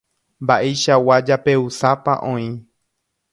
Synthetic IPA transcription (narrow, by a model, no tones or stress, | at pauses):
mbaʔe̞jʃawad͡ʒape̞usapa̰ʔõĩ